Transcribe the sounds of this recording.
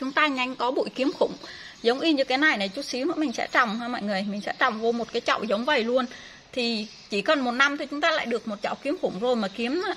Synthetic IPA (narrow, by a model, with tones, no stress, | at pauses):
t͡ɕʊ˨˦ŋ͡mt̪aː˧ɲa˧jŋ̟kɔ˨˦ɓṵ˧˨jki˨˦əmxʊ˧˩ŋ͡m | zə˨˦wŋ͡mʔi˧ɲɨ˧kaː˨˦jna˨˩jna˨˩jt͡ɕu˨˦˥t̚si˨˦wnɨ̰˧˥mï˨˩ŋ̟sɛ̰˧˥t͡ɕɔ˨˩wŋ͡mhaː˧mɔ̰˧˨jŋɨ˨˩əjmï˨˩ŋ̟sɛ̰˧˥t͡ɕɔ̰˨˩wŋ͡mvo˧mo˨˩t̚kaː˨˦jt͡ɕɔ̰˧˨wzə˨˦wŋ͡mvə˨˩jlu˧ən | t̪ʰi˨˩ | t͡ɕi˧˩kə˨˩nmo˨˩t̚na˧mt̪ʰi˨˩t͡ɕʊ˨˦ŋ͡mt̪aː˧la̰ː˧˨jɗɨ˨˩ək̚mo˨˩t̚t͡ɕɔ̰˧˨wki˨˦əmxʊ˧˩ŋ͡mzo˨˩jmaː˨˩ki˨˦əmna˨˦˥